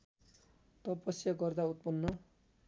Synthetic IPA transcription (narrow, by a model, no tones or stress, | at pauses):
t̪ʌpʌsjʌɡʌrd̪aut̪̚pʌnːʌ